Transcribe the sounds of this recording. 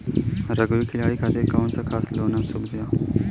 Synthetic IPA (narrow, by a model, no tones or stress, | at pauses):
ɾəɡʊikʰɪlaːɽikʰaːt̪ekaːʊnsaːkʰaːsloːnãːsʊbd̪ɪjaː